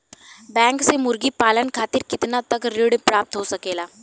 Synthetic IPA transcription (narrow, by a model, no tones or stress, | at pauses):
bɛ̃ŋksemʊɾɡiːpaːlənkʰaːt̪iːɾkɪt̪nat̪əkɾɪɽpɾaːp̚t̪ɦosəkelaː